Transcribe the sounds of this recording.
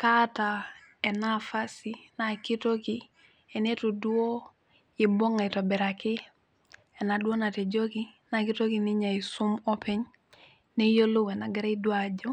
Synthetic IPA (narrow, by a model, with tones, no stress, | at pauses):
ka˦ta˨ | e˨na˦fa˦si˨na˨ki˦to˦ki˦ | e˨ne˦tu˨du˦o˦ | e˨bo˦ŋa˨i˨to˨be˨ɾa˨ki˦ | e˨na˨du˦o˦na˨te˨d͡ʒo˦ki˦na˨ki˦to˦ki˨ni˦ɲa˨i˨su˦mo˦pe˦ɲ | ne˦jo˦lo˦we˨na˨ɡe˦ɾa˦i˦du˦a˨d͡ʒo˦